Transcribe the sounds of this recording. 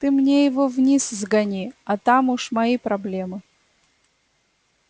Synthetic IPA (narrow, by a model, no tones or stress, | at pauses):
t̪ɨmnʲejɪvovnʲiszɡɐnʲiɐt̪amuʂmɐipɾɐblʲe̞mɨ